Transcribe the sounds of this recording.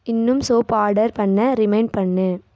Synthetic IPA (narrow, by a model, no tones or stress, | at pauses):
ɪnːɯmsoːpaːɾɖɐɾpɐɳːɐɾɪmɐɪɳɖ̚pɐɳːɯ